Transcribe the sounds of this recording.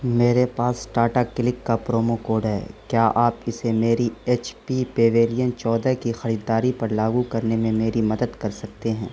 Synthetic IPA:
meːɾepaːsːʈaːɾʈakːɪlɪkːapɾoːmokoːɾɖɦɛ̰ːkjaːʔaːpɪsemeːɾieːt͡ʃpipeːʋeːlijənt͡ʃɔːd̪akixɐɾiːd̪ːaːɾipɐɾlaːɡukɐɾnemẽmeːɾimɐd̪əd̪kɐɾsɐk̚t̪eɦɛ̃ː

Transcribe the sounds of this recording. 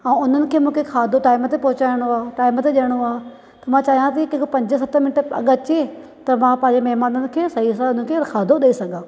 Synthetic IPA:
ɛ̃ːʊn̤ənɪ̆kʰeːmũːkʰexʰaːd̪ʱoʈaːɪmət̪epɐɦʊt͡ɕaːɪɽ̃oaːɦeʈaːɪmt̪eɗɐəɽ̃oaːe | t̪ɐmãt͡ɕaːɦijãt̪̬ɐikɐ̃ɦkopɐ̃ɲd͡ʑəs̬ɐt̪ʰmɪnɪʈɐ̰ɠət͡ɕe | t̪ɐmãpɐ̃ɦɪ̃ɲd͡ʑemɐɦmaːnənɪ̆kʰeːsɐɦisaʊn̤ənɪ̆kʰeːxʰaːd̪ʱoɗɐisɐɡʱãː

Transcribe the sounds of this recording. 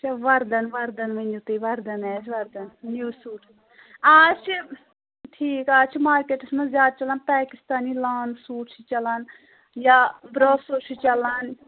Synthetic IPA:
t͡ʃʰɐʋɐɾd̪ɐnʋɐɾd̪ɐnʋɐnd͡ʒut̪iʋɐɾd̪ɐnɛːt͡ʃʰʋɐɾd̪ɐnnjuːsuːʈʰ | aːt͡ʃʰ | ʈʰiːkaːt͡ʃʰmaːɾkeːʈɐsmɐ̃nzjaːd̪̚t͡ʃɐlanpɛːkist̪aːnilaːnsuːʈʰt͡ʃʰit͡ʃɐlɐn | jaːbɾoːsoːt͡ʃʰit͡ʃɐlan

